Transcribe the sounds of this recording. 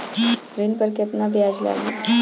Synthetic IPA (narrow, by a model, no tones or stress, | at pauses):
ɾinpəɾket̪nabiad͡zla̰li